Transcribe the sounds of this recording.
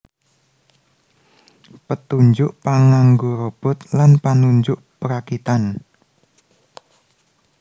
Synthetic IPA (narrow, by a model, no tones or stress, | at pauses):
pət̪uɲd͡ʒʊʔpaŋaŋɡoɾob̥ʊt̪̚lanpanuɲd͡ʒʊʔpəɾakit̪an